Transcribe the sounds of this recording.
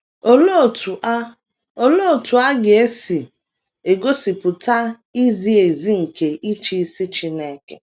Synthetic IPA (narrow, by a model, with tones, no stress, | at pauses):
o˦lo˦˨tu˨˦ | o˦lo˦˨tu˨a˦ɡe˨e˦si˨ | e˨ɡo˦si˨pʊ˨ta˦ | i˦zi˦e˨zi˦ŋ̩˨ke˨ʔi˦t͡ʃi˦si˦t͡ʃi˨ne˨ke˦